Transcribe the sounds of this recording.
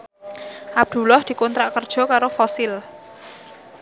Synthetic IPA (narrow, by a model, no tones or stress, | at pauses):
ʔab̚d̪̥ṳlɔhd̪̥i̤kɔnt̪ɾaʔkərd̥ʒ̥ɔ̤kaɾofɔsɪl